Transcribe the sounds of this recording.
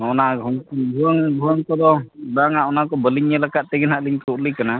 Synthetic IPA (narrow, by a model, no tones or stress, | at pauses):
ɔnaɔŋkbʱuaŋbʱuaŋkɔd̪ɔdaŋaʔɔnakɔbəliɲɛlakat̪̚t̪ɛɡɛnaʔliɲkɾuʔlikana